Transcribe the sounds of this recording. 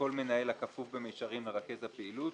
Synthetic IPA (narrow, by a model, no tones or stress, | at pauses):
o̞lme̞nae̞lakafuvbemejʃaʁimleʁake̞zhapeilut̪